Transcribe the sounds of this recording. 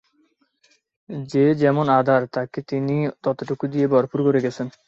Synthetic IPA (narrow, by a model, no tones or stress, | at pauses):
d͡ʑed͡ʑɛmonad̪ʱaɾt̪aket̪init̪ɔt̪oʈokud̪ijebɔɾpuɾkoɾeɡɛt͡ɕʰen